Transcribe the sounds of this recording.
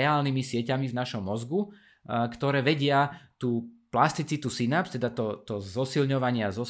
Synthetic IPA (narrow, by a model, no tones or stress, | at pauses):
ɛaːlnimisɪɛcamivnaʃɔmːɔzɡu | kt̪ɔɾɛːʋɛɟɪat̪uːplast̪it͡sit̪usinapst̪ɛd̪at̪ɔt̪ɔzɔsilɲɔʋaɲɪazɔ